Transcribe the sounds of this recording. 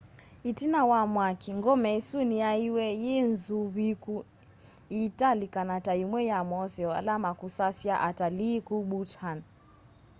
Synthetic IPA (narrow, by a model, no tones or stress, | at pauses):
itinawamwakiŋɡɔmɛsuniaiwɛjɛnzuβiku | italikanataimwɛjamɔsjɔa̰lamakusasjaʔatalikuɓutʰan